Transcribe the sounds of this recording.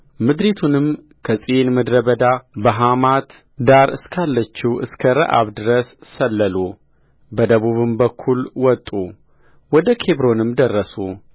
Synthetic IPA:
mɨd̪ɾet̪ʰunɨm | kʰəsʼinmɨd̪ɾəβəd̪abəɦamat̪ | d̪aɾɨskʰalːət͡ʃːiwʔɨ̰skʰəɾə̰ʔa̰βd̪ɨɾəsːəlːəlu | bəd̪əβuβɨmbəkʰːulwɔt̪ʼu | wɔd̪əkʰe̞βɾo̞nɨmd̪ərːəsu

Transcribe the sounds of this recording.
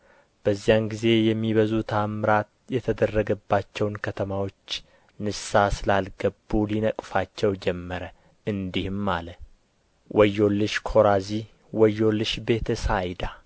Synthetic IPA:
b̥əzːijanɡize̞jɛmːiβəzut̪ʰamɾat̪jɛt̪ʰəd̪ərːəɡəbːat͡ʃːɛwnkʰət̪ʰəmawo̞t͡ʃː | nɨsasɨlalɡəbːulinəkʼfat͡ʃːɛwd͡ʒɛmːəɾə | ɨnd̪ihmːalə | wʔɔjːo̞lːɨʃkʰo̞ɾazi | wəjːo̞lːɨʃbe̞t̪ʰəsajd̪a

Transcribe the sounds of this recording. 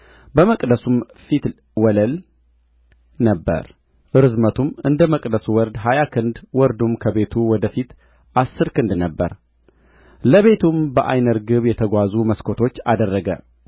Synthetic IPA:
bəməkʼd̪əsum | fit̪ | wɔləl | nəbːə̰ɾ | ʔɨɾɨzmət̪ʰumɨnd̪əməkʼd̪əsuwɔɾd̪ɦajakʰɨnd̪wɔɾd̪umkʰəβe̞t̪ʰuwɔd̪əfit̪ | ʔasːɨɾkɨnd̪nəbːəɾ | ləβe̞t̪ʰumbəʔa̰jnəɾɡɨβjɛt̪ʰəɡʷazuməskʰo̞t̪ʰo̞t͡ʃːa̰d̪ərːəɡə̰

